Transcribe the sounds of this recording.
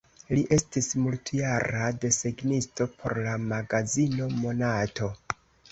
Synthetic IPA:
liʔe̞stismultjaɾade̞seɡnisto̞pʰo̞̰ɾlamaɡazino̞mo̞nato̞

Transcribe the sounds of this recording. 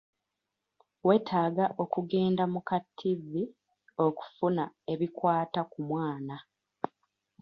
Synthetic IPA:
we̞ːtʰaːɡaʔo̞kuɡe̞ːndamukatʰːivːi | o̞ku̥funae̞βikwaːtakumwaːna

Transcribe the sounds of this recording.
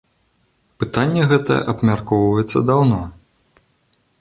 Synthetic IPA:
pɨt̪anʲːɛɣɛt̪ɐ̰jɛ̰ʔɐbmʲarkɔwvɐjɛt̪sːɐd̪awnɔ

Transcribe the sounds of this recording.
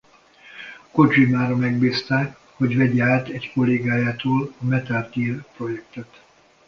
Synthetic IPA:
ko̞d͡ʒimaːɾɒmɛɡbiːst̪aːk | ho̞ɟvɛɟɛaːt̪ɛcko̞lːeːɡaːjaːt̪oːlɒmɛt̪aːrt̪iːrpro̞jɛkt̪ɛt̪

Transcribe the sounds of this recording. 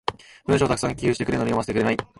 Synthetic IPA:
b̥ɯ̟̃ɕoːt̪ak̟sãŋkʲijɯːɕit̪ekɾenoɲiomasetekɯɾenai

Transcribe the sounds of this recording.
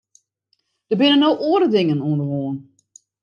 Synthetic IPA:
d̥əbɪnənːowʔoədədɪŋənuəndəɦoːn

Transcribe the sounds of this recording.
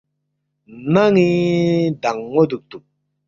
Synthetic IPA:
naŋid̪aŋːod̪uk̚t̪u

